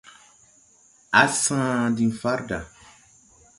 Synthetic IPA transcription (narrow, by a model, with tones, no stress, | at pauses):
a˨˦sãː˦di˨nfa˦ɾda˨